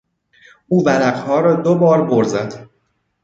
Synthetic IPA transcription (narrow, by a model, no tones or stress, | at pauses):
ʔuːvælæɢhɒːɾɒːd̪obɒːɾboɾzæd̪̥